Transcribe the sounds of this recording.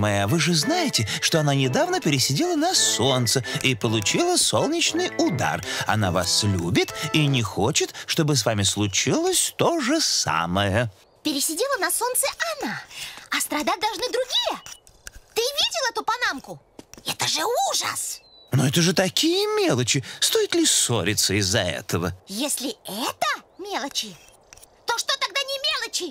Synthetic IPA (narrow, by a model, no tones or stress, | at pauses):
mɐjaavɨʐɨznajɪtʲɪʂt̪o̞ɐnanʲɪd̪avnəpʲɪɾʲɪsʲɪdʲelˠənɐso̞nt̪səipəlˠʊt͡ɕilˠəso̞lˠnʲɪt͡ɕnɨjʊd̪a̰rɐ̰na̰va̰slʲubʲɪt̪inʲɪxot͡ɕɪt̪ʂt̪o̞bɨsvamʲɪslˠʊt͡ɕilˠəsʲt̪o̞ʐɨsa̰məjə | pʲɪɾʲɪsʲɪdʲelˠənɐsont̪səʔanaɐst̪ɾɐd̪at̚ʲd̪ɐlˠʐnɨd̪ɾʊɡʲijə | t̪ɨvʲidʲɪlˠɛt̪ʊpɐnamkʊ | ɛt̪əʐɨuʐə̰s | noɛt̪əʐɨt̪ɐkʲijəmʲelˠət͡ɕɪst̪o̞jɪt̪lʲɪsoɾʲɪt̪səɪzːɐɛ̰t̪əvə̰jesʲlʲɪɛt̪əmʲelˠət͡ɕɪ | t̪oʂt̪ot̪ɐɡ̚d̪anʲɪmʲelˠət͡ɕɪ